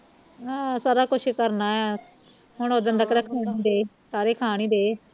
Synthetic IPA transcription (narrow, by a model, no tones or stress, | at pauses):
ɦãːsaːɾaːkʊt͡ʃʰkəɾnaːɛː | ɦʊɳod̪ənd̪əkɾaːkʰaːɳiːd̪eː | saːɾeːkʰaːɽ̃iːd̪eː